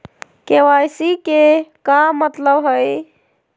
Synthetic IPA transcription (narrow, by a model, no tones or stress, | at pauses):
kewajsikekamət̪ləbɦəj